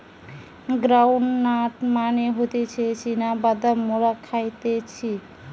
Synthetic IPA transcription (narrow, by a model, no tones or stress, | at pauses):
ɡɾawɳːaʈmaneɦot̪et͡ɕʰet͡ɕʰinabad̪amoɾakʰajt̪et͡ɕʰi